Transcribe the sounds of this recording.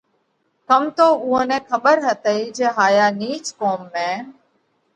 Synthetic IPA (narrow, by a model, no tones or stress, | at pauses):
kəmt̪oːʊːõːnɛ̃ːkʰəɓəɾɦət̪əiːd͡ʒeːɦaːjaːniːt͡ʃkoːmːẽː